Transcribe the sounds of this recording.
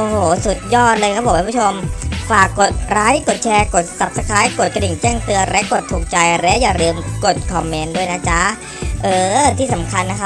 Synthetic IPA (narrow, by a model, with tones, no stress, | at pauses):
ʔoː˧˩hoː˨˩˦su˨˩t̪̚jɔː˥˩t̪̚lɤː˧kʰa˥˩pbɔː˨˩kʰːt͡ɕʰo˧mfaː˨˩kːo˨˩t̪̚ɾaː˦˥jko˨˩t̪̚t͡ɕʰɛː˧ko˨˩t̪̚sa˨˩p̚sa˧kʰaː˦˥jko˨˩t̪̚ka˧di˨˩ŋt͡ɕɛː˥˩ŋt̪ɯ˧ɐɾɛ˦˥ʔko˨˩t̪ʰːuː˨˩k̚t͡ɕa˧jɾɛ˦˥ʔjaː˨˩ɾɯː˧mko˨˩t̪̚kʰɔ˧mːe˧˥ndu˥˩əjna˦˥t͡ɕʰa˦˥ | ʔɤː˧˩t̪ʰiː˥˩sa˩˦mkʰa˧nːa˦˥kʰa˦˥p̚